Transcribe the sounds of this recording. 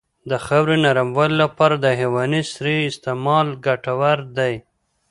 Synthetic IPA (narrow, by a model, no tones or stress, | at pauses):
d̪əxawɾenaɾamwallapɑɾad̪əɦewɑnisɾiɪst̪ɪmɑlɡaʈawaɾd̪aj